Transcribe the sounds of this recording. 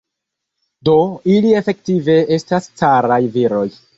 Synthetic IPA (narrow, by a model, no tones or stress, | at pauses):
do̞ilie̞fe̞ktive̞e̞stast͡saɾajviɾo̞j